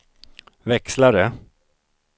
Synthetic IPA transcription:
vɛkslaɾə

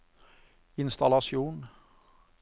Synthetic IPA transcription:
ɪnst̪ɑlɑsɪuːn

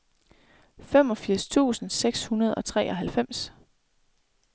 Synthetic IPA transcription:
femɒ̽fiɐ̰st͡sʰṵːsn̩seɡ̥shunɐð̞̩ˠɒ̽t͡sʰʁɛ̰ːʔɒ̽ɦælfem̰s

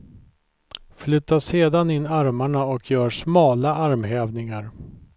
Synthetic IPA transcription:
flʏt̪ːaʂeːd̪anɪnːaɾmaɳaɔkʰjœːʂmɑːlaʔaɾmɦɛːvnɪŋaɾ

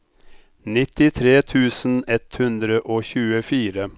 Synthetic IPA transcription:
nɪt̪ɪt̪ʰɾeːt̪ʰʉːsn̩ɛt̪hʉnd̪ɾəʔoːçʉːəfiːɾə

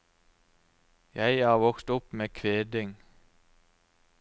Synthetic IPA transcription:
jæɪɑːʁʋɔkst̪ʊpmeːkʰʋeːd̪ɪŋ

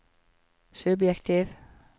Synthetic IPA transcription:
sʉbjɛkt̪ʰiʋ

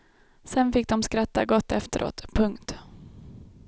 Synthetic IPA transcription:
sɛnfɪk̚d̪ɔmskɾat̪ːaɡɔt̪ːɛft̪əɾʔo̰ːt̪pʰɵŋkt̪

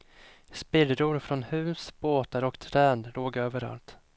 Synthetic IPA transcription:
spɪd̪ɾʊɾfɾɔnhʉ̟ːsb̥oːt̪aɾɔkt̪ʰɾɛːnd̪loːɡøːvəɾa̰lt̪

